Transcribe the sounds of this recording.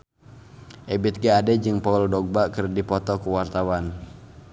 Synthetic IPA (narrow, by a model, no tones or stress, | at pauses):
ʔɛbit̪̚ɡaadɛd͡ʒɨŋpauldɔɡ̚bakɨrdipɔt̪ɔkuwart̪awan